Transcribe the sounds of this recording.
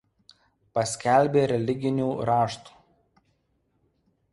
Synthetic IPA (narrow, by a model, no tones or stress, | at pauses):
pɐsʲkʲæˑlʲbʲeːɾʲɛlʲɪɡʲɪnʲuːɾɑːʃt̪u̥ː